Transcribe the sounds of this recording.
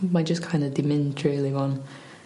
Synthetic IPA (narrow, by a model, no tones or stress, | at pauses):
mad͡ʒʌskʰãɪ̃ndədimɛ̃ntʰɹeliɔ̃n